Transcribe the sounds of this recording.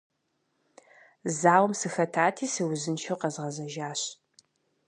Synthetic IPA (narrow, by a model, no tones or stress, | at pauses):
zaːwmsɨxɐtʰaːtʰiːsɨwzɨnʃʰɐwqɐzʁɐzɐʒaːɕ